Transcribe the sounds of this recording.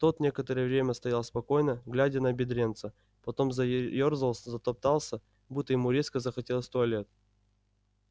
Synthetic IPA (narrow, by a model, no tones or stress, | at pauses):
t̪ot̪nʲekət̪əɾəjəvɾʲemʲəst̪ɐjalˠəspɐko̞jnəɡlʲædʲənəɐbʲɪd̪ɾʲe̞nt̪sə | pɐt̪o̞mzɐjorzəlˠszət̪ɐp̚t̪ɑlˠsʲə | but̪ːəjɪmuɾʲeskəzəxɐtʲe̞lˠəsʲt̪oɐlʲet̪̚